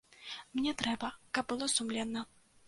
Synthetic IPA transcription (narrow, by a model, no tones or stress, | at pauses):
mnʲɛt̪ɾɛbɐkɐb̚bɨlˠɔsumlʲɛnːɐ